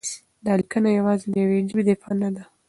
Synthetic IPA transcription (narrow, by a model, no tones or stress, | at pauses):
d̪aalkənajawɑzed̪əjawed͡ʒibed̪efɑnad̪a